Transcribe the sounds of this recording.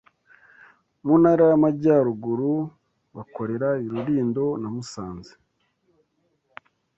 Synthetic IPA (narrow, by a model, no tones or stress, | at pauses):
munaɾajamaɟaːɾuɡuɾu | βako̞ɾe̞ɾaiɾuɾiːndo̞namusaːnze̥